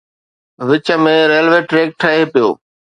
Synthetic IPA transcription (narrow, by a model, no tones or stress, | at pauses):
ʋɪt͡ɕə̆mẽɾeːlʋeːʈɾeːk̚ʈʰɐɦepijo̰ː